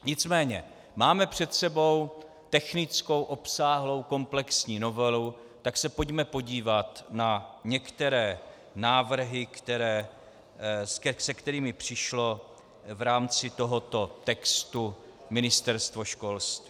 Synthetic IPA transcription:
ɲɪt͡smɛːɲɛ̰ | maːmɛpr̝̥ɛt̪sɛbo̞w | t̪ɛxnɪt͡sko̞wʔo̞psaːɦlo̞wko̞mplɛksɲiːno̞vɛlu | t̪aksɛpo̞ɟmɛpo̞ɟiːvat̪naɲɛkt̪ɛɾɛː | naːvr̩ɦɪkt̪ɛɾɛː | sɛsɛkt̪ɛɾiːmɪpr̝̥ɪʃlo̞ | vɾaːmt͡sɪt̪o̞ɦo̞t̪o̞t̪ɛkst̪u | mɪnɪst̪ɛɾst̪vo̞ʃko̞lst̪viː

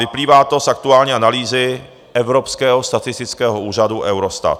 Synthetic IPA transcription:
vɪpliːvaːt̪o̞sʔak̚t̪uaːlɲiːanaliːzɪ | ʔɛvɾopskɛːɦost̪at̪ɪst̪ɪt͡skɛːɦouːraduʔɛwɾost̪a̰t̪

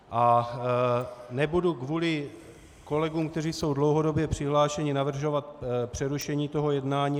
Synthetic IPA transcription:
ʔa | nɛbudukvuːlɪ | ko̞lɛɡuːmkt̪ɛriːso̞wdlowɦo̞do̞bjɛpr̝̥ɪɦlaːʃɛɲɪnavr̩ʒo̞vat̪̚pr̝̥ɛɾuʃɛɲiːt̪o̞ɦo̞jɛdnaːɲiː

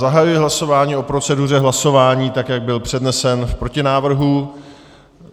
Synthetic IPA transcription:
zaɦajujɪɦlaso̞vaːɲiːʔo̞pɾo̞t͡sɛdur̝ɛɦlaso̞vaːɲiːt̪akjaɡ̚bɪlpr̝̥ɛdnɛsɛnfpɾo̞cɪnaːvr̩ɦu

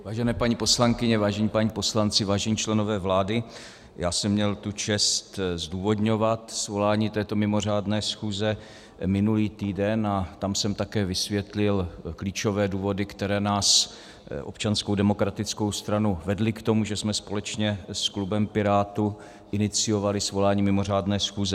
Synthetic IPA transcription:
vaːʒɛnɛːpaɲiːposlaŋkɪɲɛvaːʒɛɲiːpaɲiːpo̞slant͡sɪvaːʒɛɲiːt͡ʃlɛno̞vɛːvlaːdɪ | jaːsɛmːɲɛlt̪ut͡ʃɛst̪zduːvo̞dɲo̞vat̪svo̞laːɲiːt̪ɛːt̪o̞mɪmo̞r̝aːdnɛːsxuːzɛ | mɪnuliːt̪iːdɛnat̪amsɛmt̪akɛːvɪsvjɛt̪lɪlkliːt͡ʃo̞vɛːduːvo̞dɪkt̪ɛɾɛːnaːs | ʔo̞pt͡ʃanskowdɛmo̞kɾat̪ɪt͡sko̞wst̪ɾanuvɛdlɪkt̪o̞muʒɛsmɛspo̞lɛt͡ʃɲɛsklubɛmpɪɾaːt̪u | ʔɪnɪt͡sɪjo̞valɪsvo̞laːɲiːmɪmo̞r̝aːdnɛːsxuːzɛ

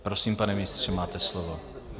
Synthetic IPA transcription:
pɾo̞siːmpanɛmɪɪst̪r̝ɛmaːt̪ɛslovo

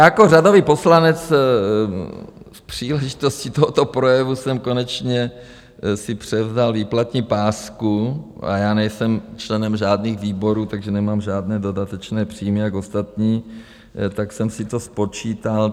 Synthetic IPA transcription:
jakorado̞viːpo̞slanɛt͡s | fpr̝̥iːlɛʒɪt̪o̞scit̪oɦot̪opɾo̞jɛvusɛmko̞nɛt͡ʃɲɛ | sɪpr̝̥ɛvzalviːplat̪ɲiːpaːskuʔa̰jaːnɛjsɛmt͡ʃlɛnɛmʒaːdniːxviːbo̞ɾuːt̪aɡʒɛnɛmaːmʒaːdnɛːdo̞dat̪ɛt͡ʃnɛːpr̥iːmɪjako̞st̪at̪ɲiː | t̪aksɛmsɪt̪o̞spo̞t͡ʃiːt̪al

